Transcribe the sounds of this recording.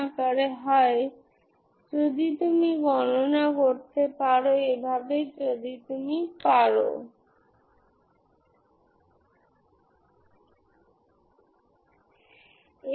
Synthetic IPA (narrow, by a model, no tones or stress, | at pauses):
akaɾeɦɔe | d͡ʒod̪it̪umiɡɔnonakoɾt̪epaɾoebʱabed͡ʒod̪it̪umipaɾo̰ | e